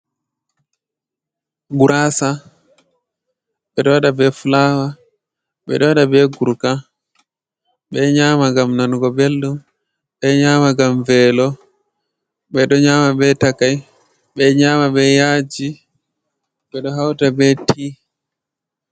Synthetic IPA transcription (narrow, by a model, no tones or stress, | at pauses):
ɡuɾasa | ɓɛɗɔwaɗabɛfulaːwa | ɓɛ̰ɗɔwaɗabɛɡuɾka | ɓɛɲaːmaɡamnanɡɔbelɗum | ɓɛɲaːmaɡamvɛːlɔ | ɓɛɗɔɲaːmabɛtakaj | ɓɛɲamaɓɛjaːd͡ʒi | ɓɛɗɔɦawtabɛtʰi